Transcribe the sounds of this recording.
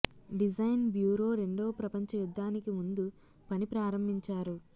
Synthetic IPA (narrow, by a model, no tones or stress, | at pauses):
ɖid͡ʒɐjnbjuːɾo̞ːɾe̞ɳɖo̞ːpɾɐpɐɲt͡ʃɐjud̪ːaːnikimund̪u | pɐnipɾaːɾɐmbʱiɲt͡ʃaːɾu